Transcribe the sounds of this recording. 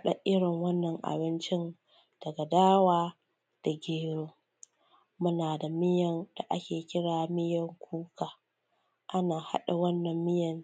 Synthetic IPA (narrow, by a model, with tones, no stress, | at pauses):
ɗa˨ʔɪ˦ɽɪ˨ŋwɐ˦nːɐ˨ŋʔa̰˨bɪ˦nt͡ʃɪ˦n | d̥ɐ˨ɡa˨daː˦waː˦ | d̥a˨ɡʲeː˦ɾoː˦ | mʊ˦naː˨da˨mɪ˦jɐ˨nd̥a˨ʔa˦kʲeː˨kʲɪ˦ɽaː˨mɪ˦jɐ˨ŋkʷʰuː˦kaː˨ | ʔa˦naː˨ha̰˦ɗa˨wɐ˦nːɐ˨mːɪ˦jɐ˨n